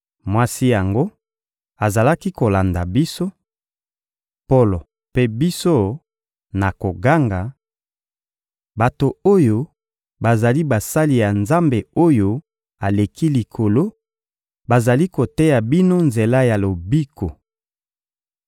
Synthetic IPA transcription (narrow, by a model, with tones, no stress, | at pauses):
mwa˦si˦ja˨ŋɡo˦ | a˨za˨la˦ki˦ko˨la˨nda˨bi˦so˦ | po˦lo˨ | pe˦bi˦so˦ | na˨ko˨ɡa˦ŋɡa˨ | ba˨to˨o˦jo˨ | ba˨za˨li˦ba˨sa˦li˨ja˨nza˦mbe˨o˦jo˦ | a˨le˨ki˦li˨kʰo˨lo˦ | ba˨za˨li˦ko˨te˦ja˨bi˦no˦nze˨la˦ja˨lo˨bi˦kʰo˨